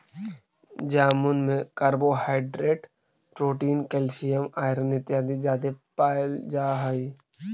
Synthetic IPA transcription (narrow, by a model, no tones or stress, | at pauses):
d͡ʒaːmʊnmẽkəɾboːhaːɪɖɾeːʈ | pɾoːʈiːnkelsijəmaːɪɾənɪt̪jaːd̪id͡ʒaːd̪epaːɪld͡ʒaːɦəi